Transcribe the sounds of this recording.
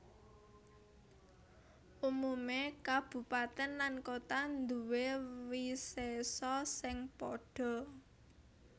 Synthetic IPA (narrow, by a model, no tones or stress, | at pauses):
ʔumumekab̥ṳpat̪ɛnlankot̪and̪uwewisesɔsɪŋpɔɖ̥ɔ̤